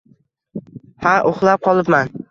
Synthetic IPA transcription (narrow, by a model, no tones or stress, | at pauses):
haʔoχlˠap̚qʰɒlˠɪpman